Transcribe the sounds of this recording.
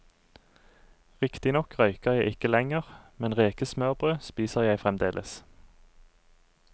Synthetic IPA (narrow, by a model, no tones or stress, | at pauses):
ʁɪkt̪ɪnɔkʁœʏkəʁjæɪʔɪkəlɛŋəʁmɛnʁeːkəsmœʁbʁøːspiːsəʁjæɪfʁɛmd̪eːlʔə̰s